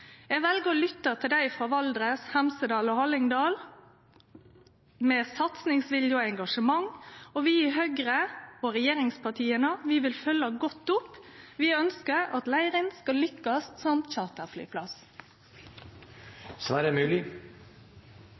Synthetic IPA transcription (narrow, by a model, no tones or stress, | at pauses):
jɛɡʋɛlɡəɾɔlʏt̪ːət̪ʰɪld̪æɪfɾɑːʋɑld̪ɾəshɛmsəd̪ɑːlɔhɑlɪŋd̪ɑːl | meːsɑt̪snɪŋsʋɪljʊoɛŋɡɑʂəmɑŋoʋɪɪɦœɡɾəoɾɛjeːʁɪŋspʰɑt̪ʰiːənəʋɪʋɪlfœlːɑɡɔt̪ːʊpʋɪœnskəɾɑt̪læɪʁɪnskɑlʏkːəst̪sɔmt͡ʃɑːʁt̪əfly̰ːpʰlɑs | sɔæːɖɛmʉːlɪ